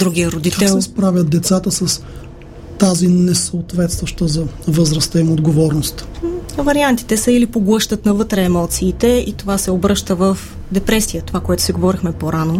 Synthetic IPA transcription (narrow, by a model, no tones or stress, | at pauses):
d̪ɾuɡiəɾod̪ikaɛlˠɛspɾavʲjət̪̚d̪ɛt̪sat̪əsəs | t̪azinɛsəot̪vɛt̪st̪vəʃt̪əzɐvəzɾəst̪əimod̪ɡovɔɾnost̪vɐɾiant̪i̥t̪ɛsəilipoɡlˠɤʃt̪ət̪nɐvɤt̪ɾɛːmɔt̪siːt̪ɛit̪ovasɛobɾɤʃt̪əvəf | d̪ɛpɾɛsijət̪ovakoɛt̪ʊ̥siɡovɔɾixmɛpoɾano